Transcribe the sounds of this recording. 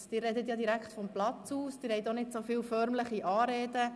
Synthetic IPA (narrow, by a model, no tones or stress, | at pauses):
d̥ɪːrɛdətjɑdiɾækχtfɔmplɑt͡suːsd̥ɪːɾhɛɪtonɪtsofiːwfœɾmləχiʔɑːɾeːdə